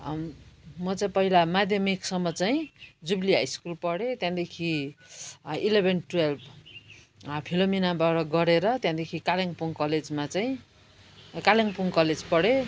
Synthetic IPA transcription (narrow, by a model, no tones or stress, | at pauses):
mʌt͡saĩpʌɦilamad̪ʱjʌmiksʌmːʌt͡sajĩd͡zubliajskulpʌɽet̪jãd̪ekʰi | ilebʱenʈwelb | pʰilominabaʈʌɡʌɾeɾʌt̪jãd̪ekʰikalaŋpuŋkʌled͡zmat͡saĩ | kaleŋpuŋkʌled͡zpʌɽe